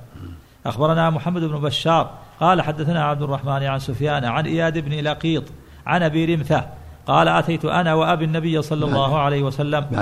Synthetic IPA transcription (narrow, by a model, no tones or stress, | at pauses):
ʔaxbɑɾˤɑnaːmʊħamːad̪ʊbnʊbaʃːɑːɾˤqɑːlaħad̪ːaθanaːʕab̚d̪ʊrˤːɑħmaːnʕansʊfjaːnʕanʔɪjaːd̪ɪbnilɑqiːt̪ˤ | ʕanʔabiːɾɪmθa | qɑːlaʔat̪ajt̪ʊʔanaːwaʔabɪnːabɪjːasˤɑlːɑlˤːɑːhʕalajhwasalːam